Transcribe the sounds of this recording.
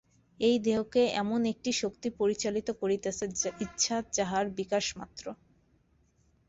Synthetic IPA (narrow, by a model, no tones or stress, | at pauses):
ejd̪eɦokeɛ̰monek̚ʈiʃokt̪ipoɾit͡ɕalit̪okoɾit̪eitːɕʰad͡ʑaɦaɾbikaʃma̰t̪ːɾo